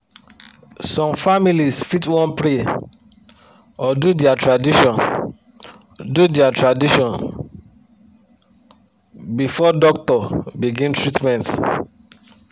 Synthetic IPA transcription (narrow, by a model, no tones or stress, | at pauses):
sɔ̃mfamilisfitwɔ̃npɾe | ɔdudiatɹadiʃɔ̃n | dudiatɹadiʃɔ̃n | bifɔdɔk̚tɔbiɡĩntɹitmɛ̃nt